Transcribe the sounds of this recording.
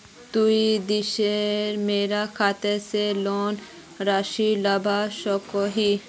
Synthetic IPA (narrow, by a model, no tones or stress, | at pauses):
t̪uid̪iʃeɾmeɾakʰat̪eselɔn | ɾaʃilabʱaʃɔkɔɦi